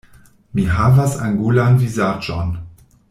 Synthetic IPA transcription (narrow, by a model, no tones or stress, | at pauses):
miɦavasa̰ŋɡulanvizad͡ʒɔ̰n